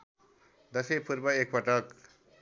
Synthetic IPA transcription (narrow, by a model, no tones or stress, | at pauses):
d̪ʌsepʰuɾbʌek̚pʌʈʌk